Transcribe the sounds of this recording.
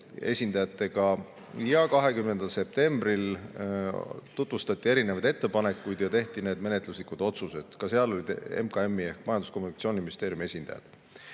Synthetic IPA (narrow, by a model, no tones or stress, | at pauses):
e̞̰sʲind̪̥ɑjɑt̪ːˑe̞ɡɑ | jɑkɑɦe̞kymne̞nd̪̥ɑlse̞p̚t̪e̞mb̥ril | t̪ut̪vust̪ɑt̪ʲːˑie̞ɾinevɑd̪e̞t̪ːe̞pɑne̞kːˑujd̪jɑt̪e̞ht̪ine̞ːd̪me̞ne̞t̪ˑluslikud̪̥o̞t̪suse̞d̪̥kɑse̞ɑlo̞lʲid̪̥e̞̰mkɑe̞mːie̞hkmɑjɑnd̪usko̞mːunikɑt̪sioniminist̪eːɾjume̞sʲind̪ɑ̰jɑ̰d̪̥